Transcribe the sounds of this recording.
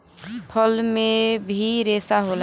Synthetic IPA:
pʰəlmebʱiɾesaɦol

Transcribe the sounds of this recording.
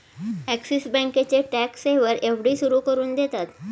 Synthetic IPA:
æksisbɛ̃ket͡ɕeʈækseʋəɾeʋɽiːsuɾuːkəɾuːnd̪et̪at̪

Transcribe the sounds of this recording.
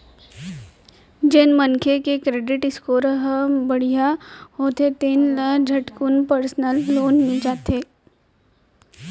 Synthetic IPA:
d͡ʒenmənkʰekekɾeːɖɪʈɪskoɾɐɦbɐɽ̤ijaɦoːt̪et̪enləd͡ʒʱɐʈkunpəɾsnəlːoːnmĩd͡ʒaːt̪eː

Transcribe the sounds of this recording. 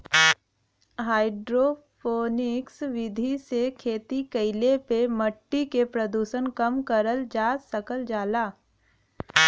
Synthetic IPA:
ɦaːɪɖɾopʰoːnɪksʋɪd̪ʱisekʰeːt̪ikəɪlepemɐʈːikepɾəd̪uːʃənkɐmkəɾəld͡ʒaːsɐkəld͡ʒaːlaː

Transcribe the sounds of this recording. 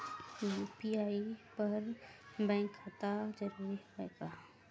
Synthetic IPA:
ipiaːipɐɾbɛ̃ːŋkat̪ad͡ʒəɾuːɾiɦoeɡaː

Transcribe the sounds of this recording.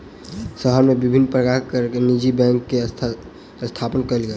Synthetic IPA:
səɦəɾmẽbɪbʱɪnːpɾəkakəɾknid͡ʒibɛ̃ŋkːe | əst̪ʰapənkəɾlɡəe

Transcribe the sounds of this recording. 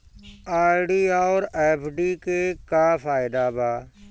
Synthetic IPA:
aːɾɖiːaːɾeːpʰɖiːkeːkaːfaːɪd̪aːbaː

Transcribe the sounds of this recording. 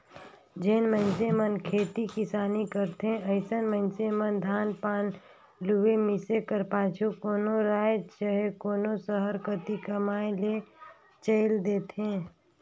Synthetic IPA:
d͡ʒenmə̃nsemənkʰeːt̪ikɪsaːnikəɾt̪ɦẽəɪsənmə̃ɪnsemənd̪ʱaːnpaːn | luʋemɪsekəɾpaːt͡ʃʰukoːnoɾaːjt͡ʃəɦekoːnosəɦəɾkət̪ikəmaːẽle | t͡ʃəɪld̪eːt̪ɦẽː

